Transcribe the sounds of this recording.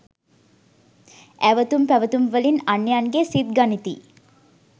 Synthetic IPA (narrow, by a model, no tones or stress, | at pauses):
æʋət̪umpæʋət̪umʋəlinanːejanɡesit̪ɡanit̪ḭ